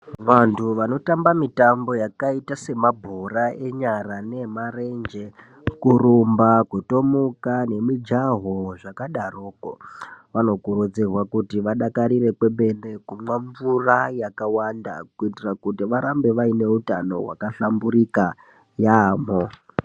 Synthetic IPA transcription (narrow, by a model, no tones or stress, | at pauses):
ʋantʰuʋano̞tambamitambo̞jakaitase̞mabʱoɾaʔe̞ɲaɾane̞mare̞nd͡ʒe̞ | kurumbakwuto̞mukane̞mid͡ʒaɦoʐakaɗaroːko̰ʋano̞kurud͡zirwakutiʋaɗakaɾiɾe̞kwe̞be̞ne̞kumaɱvurajakawanda̰kuitirakutiʋaɾambe̞ʋaine̞uta̰no̞̰wa̰kaɬambuɾika | jaːmo